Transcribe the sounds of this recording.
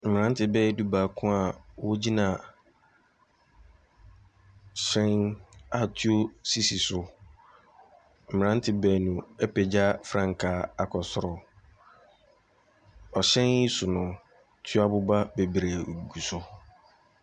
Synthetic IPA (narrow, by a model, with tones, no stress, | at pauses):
m̩˨mɪ̃˨ã˦n˦tʰɪ˨˦bɛː˦du˦baː˨kʰʊ̃˦a˨wo˦d͡ʑi˦nã˨ | ɕɛ̃˦na˨tʰɥo˦si˦si˨sʊ˦ | m̩˨ɪ̃˨nã˦n˦tʰɪ˨bɛː˦˨nũ˨ɛ˦pɛ˨d͡ʑa˦fɾã˦ŋ̩˨kʰaː˨˦a˨kʰɔ˨sʊ˨˦ɾɔ˨ | ɔ˨ɕɛ̃˦ni˦sʊ˨nʊ̃˨ | tʰɥa˨bʊ˦ba˦be˨bɾæ˨ɡu˨sʊ˦